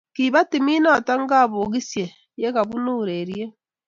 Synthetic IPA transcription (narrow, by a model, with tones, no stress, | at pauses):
kiːβa˦ti˨miː˦na˦ta˦ŋ˦ɡa˦βo˨ɣi˦sje˨ | je˦ka˨βu˦nuːɾeɾje˦